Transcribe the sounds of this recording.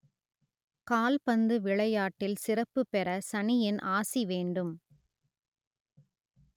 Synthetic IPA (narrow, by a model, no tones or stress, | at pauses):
kaːlpɐnd̪ɯʋɪɭɐjaːʈːɪlsɪrɐpːɯpːɛɾɐsɐnɪjɪnʔaːsiʋeːɳɖɯm